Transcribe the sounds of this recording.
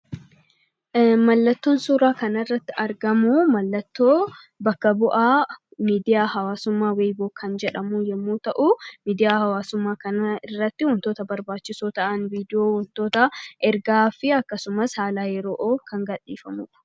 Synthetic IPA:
mɐlːɐt̪ːo̞ːnsuːɾaːkɐnɐɪrːɐt̪ːɪɐɾɡɐmumɐlːɐt̪ːoː | bɐkːɐbʊʔaːmiːd̪ɪjaːhɐwaːsʊmːaːweːjboːkʰɐnd͡ʒɛᶑɐmuːjɛmːuːt̪ɐʔʊmiːd̪ɪjaːhɐwaːsʊmːaːkɐnɐɪrːɐt̪ːɪwɔnt̪oːt̪ɐbɐɾbaːt͡ʃːɪsoːt̪ɐʔɐnviːd̪ɪjoːwɔnt̪o̞ːt̪ɐʔɛɾɡaːfɪɐkːɐsʊmɐshaːlaːjɛɾoːʔoːkʰɐŋɡɐᶑiːfɐmṵːᶑɐ̥

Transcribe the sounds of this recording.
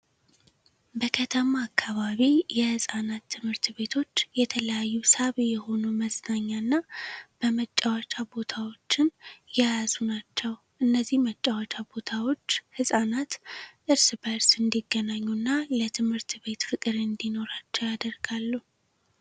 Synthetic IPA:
bəkʰət̪ʰəmaːkʰːaβaβijɛhɨsʼanat̪ʰːɨmhɨɾt̪be̞t̪ʰo̞t͡ʃːjɛt̪ʰələjajːusaβjɛho̞numəznaɲːanːab̥əmət͡ʃʼːawat͡ʃʼabo̞t̪ʰawo̞t͡ʃːɪnjajazunat͡ʃːɛw | ʔɨnːəzːihmət͡ʃʼːawat͡ʃʼabo̞t̪ʰawo̞t͡ʃːhɨsʼanat̪ʔɨɾsbəɾsɨnd̪iɡːənaɲːunːalət̪ʰɨmhɨɾt̪be̞t̪fɨkʼɨɾɨnd̪ino̞ɾat͡ʃːɛwjad̪əɾɡalːu

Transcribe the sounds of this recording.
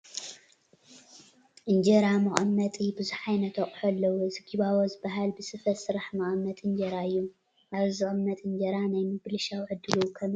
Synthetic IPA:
ʔɨnd͡ʒɐɾamɐχʼɐmːɐt̪ʼibɨzuħajnɐt̪ʰɐχʼħɐlːɐwozɨɡiβawozɨbːaɦalbɨsɨfɐsɨɾaħmɐʔʼmːɐt̪ʼɨnd͡ʒɐɾaɨjːu | ʔaβzɨχʼɨmːɐt̪ʼɨnd͡ʒɐɾanajmɨɡɨlɨʃawʕɨd̪ːɨlukʰɐm

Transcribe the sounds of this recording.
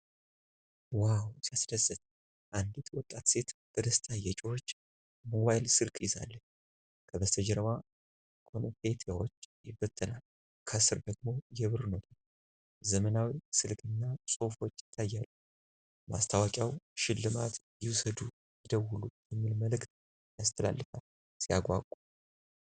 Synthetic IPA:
wawsiasd̪əzːət̪̚ʼ | ʔand̪it̪ʰwɔt̪ʼːat̪se̞t̪bəd̪əst̪ʰajːɛt͡ʃʼɪhot͡ʃː | mo̞βajlsɨlkʼjɪza̰lːə | kʰəbəst̪ʰəd͡ʒɛɾəwa | kʰʼonfe̞t̪ʰjawot͡ʃːjɪbːət̪ʰʼːɨnal | kʰəsɨɾd̪əɡmo̞jɛβɨɾnowt̪ʰɨn | zəmənawisɨlkʰʼɨnːasʼo̞fo̞t͡ʃːjɪt̪ʰːajːalːə | ma̰st̪ʰawakʼjawʃɪlːɨmat̪jɪwʊsəd̪u | jɪd̪əwulujɛmːilməlɨkt̪̚ | jast̪ʰəla̰lːɨfal | sija̰ɡʷa̰kʼu

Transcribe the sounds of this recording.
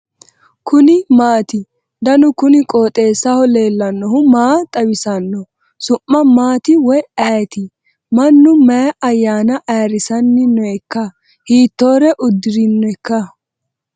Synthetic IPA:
kʰʊnɪmaːt̪ɪ | d̪ɐnʊkʊnɪkʼoːt̪ʼe̞ːsːɐhɔle̞ːlːɐnːɔhʊmaːt̪ʼɐwɪsɐnːɔ | sʊmːɐmaːt̪ɪwɔjɐjt̪ɪ | mɐnːʊmɐjɐʔɐjːaːnɐʔɐjɐɾɪsɐnːɪnːɔɛkːɐ | hiːt̪ːo̞ːɾɛʔʊd̪ːɪɾɪnːɔɛkːɐ

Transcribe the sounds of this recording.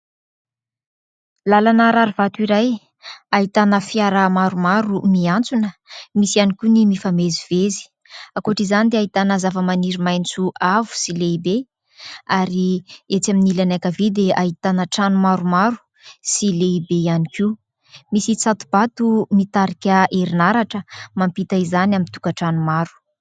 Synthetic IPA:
lalanaɾaɾivat̪uiɾaj | aɦit̪anəfiaɾamaɾumaɾumiant͡sunəmisianikʲunimifameziv̥ezi̥ | akuʈ͡ʂizanid̪eaɦit̪anəzavəmaniɾimajnt͡suʔavu̥sileibe | aɾiet͡saminilanakavid̪eʔaɦit̪anəʈ͡ʂanumaɾumaɾu̥ | sileibejaniki | misit͡sat̪ub̥at̪umit̪aɾikʲəʔeɾinaɾaʈ͡ʂəmampit̪aizanamit̪ukəʈ͡ʂanumaɾu̥

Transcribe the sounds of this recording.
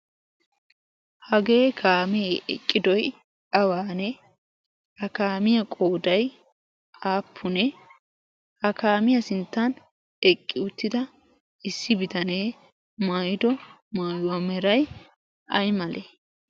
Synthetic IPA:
hɐɡe̞ːkʰaːmeʔɛ̰kʼːɪd̪ɔj | ɐwaːnɛ | hɐkaːmɪjɐkʼo̞ːd̪ɐj | aːpʰːʊnɛ | hɐkaːmɪjɐsɪnt̪ːɐn | ɛkʼːɪʊt̪ːɪd̪ɐ | ɪsːɪbɪt̪ɐneː | maːjɪd̪ɔ | maːjwɐmɛɾɐj | ɐ̰jmɐlʔe

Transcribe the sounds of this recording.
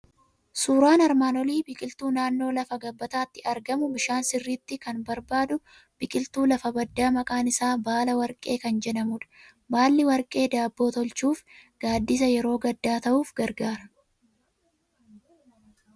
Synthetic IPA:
suːɾaːnɐɾmaːnɔliːbɪkʼɪlt̪uːnaːnːo̞ːlɐfɐɡɐbːɐt̪aːt̪ːɪɐɾɡɐmʊbɪʃaːnsɪrːiːt̪ːɪkɐnbɐɾbaːd̪ʊ | b̥ɪkʼɪlt̪uːlɐfɐbɐd̪ːaːmɐkʼaːnɪsaːbaːlɐwɐɾkʼe̞ːkɐnd͡ʒɛnɐmuːᶑ̪ɐ̥ | baːlːɪwɐɾkʼe̞ːd̪aːbːo̞ːt̪ɔlt͡ʃuːfɡ̥aːd̪ːis̬ɐjɛɾo̞ːɡɐd̪ːaːt̪ɐʔuːfɡɐɾɡaːɾɐ̥

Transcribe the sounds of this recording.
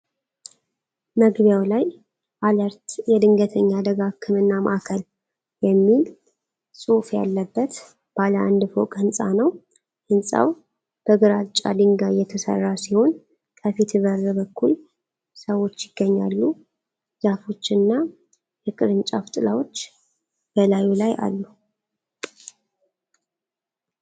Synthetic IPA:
məɡβjawlaj | ʔaləɾt̪jɛd̪ɨŋɡət̪ʰəɲːad̪əɡakʰːɨmɨnːama̰ʔakʰəl | jɛmːil | sʼufja̰lːəbːət̪ | b̥aləa̰nd̪fo̰kʼhɨnsʼa̰nəw | ʔɨnsʼa̰w | b̥əɡɨɾat͡ʃʼːad̪ɨŋɡajɛt̪ʰəsə̰rːasiho̞n | kʰəfit̪ʰɨβərːɨbəkʰːul | səwo̞t͡ʃːjɪɡ̥ːəɲːa̰lːu | z̥afo̞t͡ʃːɨnːa | jɛkʼɨɾɨnt͡ʃʼafɨt̪ʼɨlawo̞t͡ʃː | b̥əlajulajʔa̰lːu

